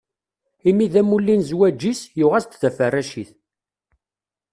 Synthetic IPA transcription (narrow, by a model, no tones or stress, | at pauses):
imiðæmulːinzwæd͡ʒːisjʊʁæst̪ðæfərːæʃiθ